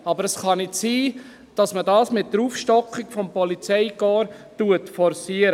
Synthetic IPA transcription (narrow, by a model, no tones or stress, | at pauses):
ɑbəɾəsχɑnɪtsiː | d̥ɑsmədɑːsmɪtːəɾuːfʃtɔkχɪɡfɔmpɔlit͡sɛɪɡɔːɾ | tuətfɔɾsiəɾə